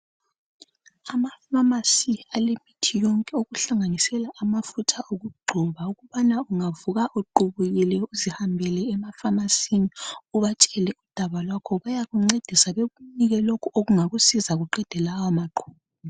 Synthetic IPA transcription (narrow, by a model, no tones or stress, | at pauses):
amafamasialemitʰijɔŋkʼɛoɣuɬaŋanisɛlaʔamafutʰaʔoɣuɡ͡ǃʱuβauɣuβanauŋavuɣaʔuǃʱuβuɣilɛuzihambʱɛlɛːmafamasiniuβat͡ʃʼɛlɛud̥ʱaβalwakʰɔβajaɣuŋ͡ǀed̥ʱisaβeɣuniɣɛlokʰuoɣuŋaɣusizaɣuǃɛd̥ʱɛlawamaɡ͡ǃʱuːβ | a